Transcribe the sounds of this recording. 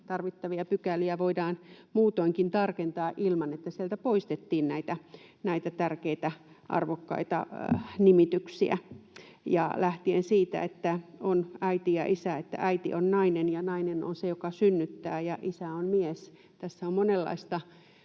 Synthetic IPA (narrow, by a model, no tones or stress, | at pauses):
t̪ɑrʋit̪ːɑʋiɑpykæliæʋoidɑːnmuːt̪oiŋkint̪ɑrkent̪ɑːʔilmɑnet̪ːæsielt̪æpoist̪et̪ːiːnnæit̪ænæit̪æt̪ærkeit̪æ | ʔɑ̰rʋokːɑ̰it̪ɑ̰nimit̪yksiæ̰ | jɑ̰læht̪iensiːt̪æ̰et̪ːæonæit̪ijɑ̰ʔisæet̪ːæ̰ʔæit̪ḭʔonnɑinenjɑnɑineno̰nsejokɑsynːyt̪ːæːjɑʔisæonmies | t̪æsːæommonelːɑ̰ist̪ɑ